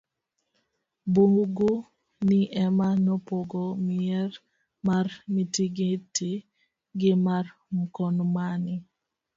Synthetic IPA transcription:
boɡo | nɪʔɛmanɔpoɡomɪɛɾ | marmitiɡɪti | ɡɪmarm̩kɔnmanɪ

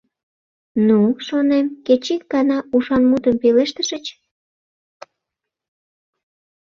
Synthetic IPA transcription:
nuʃonemket͡ɕik̚ɡɑnɑuʃɑnmut̪əmpeleʃt̪əʃət͡ɕ

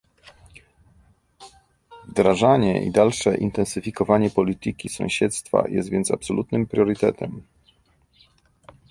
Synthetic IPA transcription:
vd̪ɾaʐaɲɛʔḭd̪alʂɛʔint̪ɛnsɘfʲikɔvaɲɛpɔlʲit̪ɘkʲisɔ̃w̃ɕɛt̪st̪fa̰jɛ̰st̪vʲjɛnt̪sa̰psɔlʔut̪nɘmpɾʲjɔɾɘt̪ɛ̰t̪ʰɛm

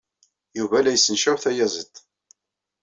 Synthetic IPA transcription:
juvælæjəsːənʃæwθæjæzət̪ː

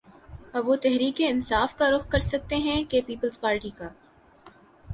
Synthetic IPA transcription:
ɐbʋot̪ɛɦɾiːkeɪnsaːfkaɾʊxkɐɾsɐk̚t̪eɦɛ̃kepiːpəlzpaːɾʈikaː

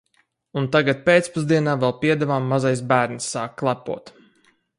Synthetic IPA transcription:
unt̪aɡat̪̚pet̪spuzd̪iɛnaːvɛlˠpiɛd̪ɛvaːmːazajs̬bæːɾnsːaːkkːlˠapṵɔt̪

